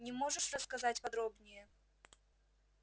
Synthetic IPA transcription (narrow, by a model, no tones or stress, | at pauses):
nʲɪmoʐɨʂrəskɐzatʲpɐd̪ɾobnʲɪjə